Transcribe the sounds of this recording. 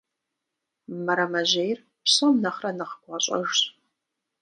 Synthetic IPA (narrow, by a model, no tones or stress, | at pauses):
mɐɾɐmɐʑejr | pɕɐmnɐχrɐnɐχə̥ɡʷɑɕʼɐʒɕ